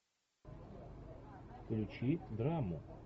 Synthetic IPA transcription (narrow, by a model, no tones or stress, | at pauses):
fklʲut͡ʃid̪ɾamʊ